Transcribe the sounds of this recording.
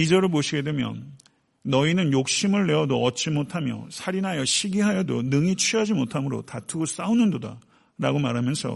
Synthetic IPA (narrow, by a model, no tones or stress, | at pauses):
id͡ʑʌɾɯɭpoɕʰiɡe̞dwe̞mjʌ̰nː | ʌinɯnjok̚ɕ͈imɯɭːe̞wʌdoʌt̚t͡ɕ͈imotʰamjʌ̰sʰaɾinajʌɕʰiɡiɦajʌdo̰nɯŋit͡ɕʰɥiɦad͡ʑimotʰamɯɾo̰tatʰɯɡos͈aunɯndoda̰ | ɾaɡomaɾɦamjʌnsʰʌ̰